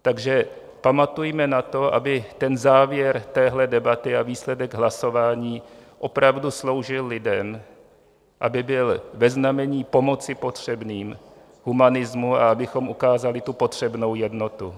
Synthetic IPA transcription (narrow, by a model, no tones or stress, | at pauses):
t̪aɡʒɛ | pamat̪ujmɛnat̪o̞ʔa̰bɪt̪ɛnzaːvjɛɾt̪ɛːɦlɛdɛbat̪ɪaviːslɛdɛɡɦlaso̞vaːɲiːʔo̞pɾavduslo̞wʒɪlːɪdɛm | ʔabɪbɪlvɛznamɛɲiːpo̞mo̞tt͡sɪpo̞t̪r̝̥ɛbniːm | ɦumanɪzmua̰abɪxo̞mʔukaːzalɪt̪upo̞t̪r̝̥ɛbno̞wjɛdno̞t̪u